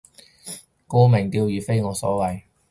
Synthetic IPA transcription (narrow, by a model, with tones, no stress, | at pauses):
ko˥˧mɪ˨˩ŋt̪iː˧wjyː˨˩fe˥jŋɔː˨˧sɔ̰ː˨˥wɐ˨j